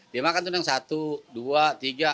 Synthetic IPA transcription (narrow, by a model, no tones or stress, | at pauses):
diamakant̪unaŋsat̪uduat̪iɡa